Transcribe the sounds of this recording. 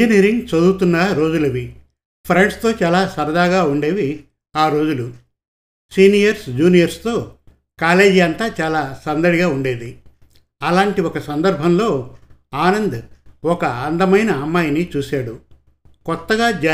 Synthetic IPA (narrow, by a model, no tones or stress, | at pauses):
iniːɾiŋɡt͡ʃɐd̪ut̪unːɐɾo̞ːd͡ʒulɐʋi | pʰɾeɳɖst̪o̞ːt͡ʃaːlaːsɐɾɐd̪aːɡaːuɳɖe̞ːʋi | aːɾo̞ːd͡ʒulu | siːnijɐɾsd͡ʒuːnijɐɾst̪o̞ː | kaːle̞ːd͡ʒiɐnt̪aːt͡ʃaːlaːsɐnd̪ɐɽiɡaːuɳɖe̞ːd̪i | ɐlaːɳʈiɔkɐsɐnd̪ɐɾbʱɐmlo̞ːaːnɐnd̪ɔkɐɐnd̪ɐmɐjnɐːmːaːjnit͡ʃuːsaːɽu | kɔt̪ːɐɡaːd͡ʒ